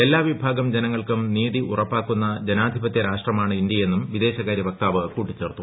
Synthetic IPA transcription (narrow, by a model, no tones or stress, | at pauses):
elːaːʋibʱaːɡɐmd͡ʑenɐŋːɐɭkɨmniːðiʔurɐpːaːkːunːɐd͡ʑenaːd̪ʱibɐt̪jɐɾaːʂʈrɐmaːɳɨindjɐje̞nːumʋid̪e̞ːɕɐɣaːɾjɐʋɐk̚t̪aːʋɨkuːʈːit͡ɕːe̞ːrt̪ːu